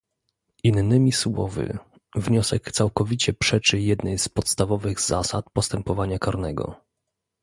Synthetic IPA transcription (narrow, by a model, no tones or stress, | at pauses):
ʔinːɘmʲiswɔ̰vɘ̰ | vɲɔsɛkt̪sawkɔvʲit͡ɕɛpʂɛt͡ʂɘjɛd̪nɛjspɔt̪st̪avɔvɘɣza̰sat̪̚pɔst̪ɛmpɔvaɲakaɾnɛɡɔ̰